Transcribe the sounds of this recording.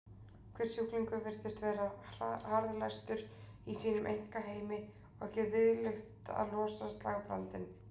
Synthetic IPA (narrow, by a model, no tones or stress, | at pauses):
kʰvɛɾ̥sjukliŋkʏvɪɾ̥t̪ɪst̪vɛːɾahaɾðlajst̪ʏɾ | isiːnʏmʔejŋ̥kaɦeːjmɪ | ɔɣɛhcɪvɪðlext̪a̰ðlɔːsast̪laːɣapɾa̰nt̪ɪn